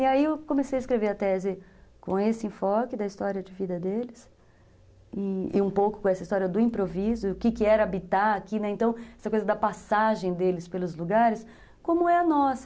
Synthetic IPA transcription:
ɪaiewkõmesejɐɪskɾeveɾɐt̪ɛzɪkõesɪẽfɔkɪd̪ɐist̪ɔɾiɐd͡ʒɪvid̪ɐd̪elɪs | ɪḭũpowkʊ̥kõɛsɐist̪ɔɾiɐd̪ʊĩpɾovizʊʊkɪkɪɛɾabit̪aɾakinɛẽnt̪ɐ̃w̃ɛsɐkojzɐd̪ɐpasaʒẽj̃d̪elɪspelʊzluɡaɾɪs | kõmʊɛɐnɔsɐ̥

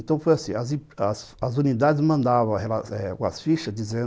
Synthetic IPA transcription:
ẽnt̪ɐ̃w̃fojasĩɐzĩɐs | ɐzunid̪ad͡ʒɪzmɐ̃nd̪avɐ̃w̃helaɛkõɐ̰sfiʃɐzd͡ʒizẽ

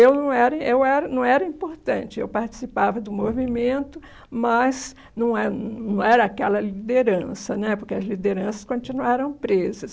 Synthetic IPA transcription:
ewnɐ̃w̃ɛɾɐewɛɾɐnɐ̃w̃ɛɾɐĩpoɾt̪ɐ̃t͡ʃɪḛwpaɾt͡ʃi̥sipavɐd̪ʊmovimẽnt̪ʊ | mɐz | nɐ̃w̃ɛnnɐ̃w̃ɛɾɐakɛlɐlid̪eɾɐ̃sɐnɛpoɾkeɐzlid̪eɾɐ̃sɐ̥skõt͡ʃinuaɾɐ̃w̃pɾezɐs

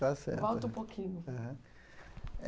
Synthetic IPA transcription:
asɛ̰ɾvɔwt̪ɐũpokʰĩɲʊɐɦɐ̃

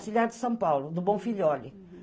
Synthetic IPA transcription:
siʎaɾd̪ɨsɐ̃w̃pawlˠud̪uβõfiʎɔʎ

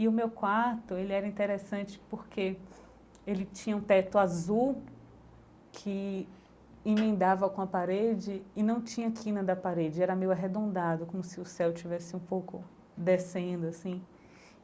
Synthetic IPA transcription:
ɪʊmewkwaɾt̪ʊelɪɛɾɐĩnt̪eɾesɐ̃t͡ʃɪ̥poɾkʰe | elɪt͡ʃĩɲɐũt̪ɛt̪ʊazuw | kʰɪ | ẽmẽnd̪avɐkõɐpaɾed͡ʒɪːnɐ̃w̃t͡ʃĩɲɐkʰĩnɐd̪ɐpaɾed͡ʒɪɛɾɐmejʊaɦed̪õnd̪ad̪ʊkõmʊsɪʊsɛwt͡ʃivɛsɪũpowkʊ | d̪esẽd̪ʊasĩ

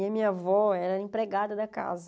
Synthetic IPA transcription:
ɐmĩɲɐavɔɛɾɐĩpɾeɡad̪ɐd̪ɐka̰zɐ

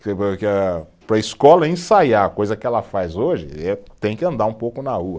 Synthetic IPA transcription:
kepɾɐkɐpɾɐiskɔlɐẽsajaɐkojzɐkɪɛlɐfajzoʒɪ̰ɛt̪ẽj̃kɪɐ̃nd̪aɾũpowkʊnɐhuɐ

